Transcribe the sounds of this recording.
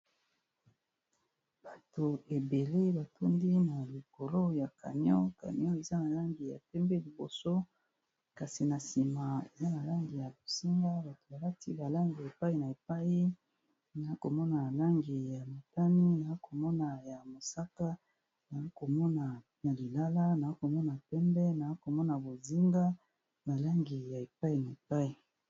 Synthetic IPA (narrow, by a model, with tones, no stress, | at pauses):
b̥a˨to˨e˨be˨le˦ba˨tʰo˦ndi˦na˨li˨ko˨lo˦ja˨ka̰˨nɔ˦ka̰˨nɔ˦e˨za˦na˨la˦ŋɡi˨ja̰˨tɛ˦mbɛ˦li˨bo˨so˦ | ka˨si˨na˨si˨ma˨e˨za˦na˨la˦ŋɡi˨ja˨bo˨si˦ŋɡa˦ba˨to̥˨ba˨la˦ti˦ba˨la˦ŋɡi˨e˨pa˦i˦na˨e˨pa˦ji˦ | na˨a˦ko˨mɔ˦na˨la˦ŋɡi˨ja˨ma˨ta˦ni˦na˨a˦ko˨mɔ˦na˨ja˨mo˨sa˦ka˦ | na˨a˦ko˨mɔ˦na˨ | na˨li˨la˦la˦na˨a˦ko˨mɔ˦na˨pɛ˦mbɛ˦na˨a˦ko˨mɔ˦na˨bo˨zi˦ŋɡa˦ | ba˨la˦ŋɡi˨ja˨e˨pa˦i˨na˨e˨pa˦i˨